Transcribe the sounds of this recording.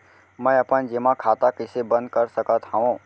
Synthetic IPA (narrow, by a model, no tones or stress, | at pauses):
mə̃jɐpənd͡ʒemãkʰaːt̪akɪsebə̃nd̪̚kəɾsəkət̪ɦaʋõː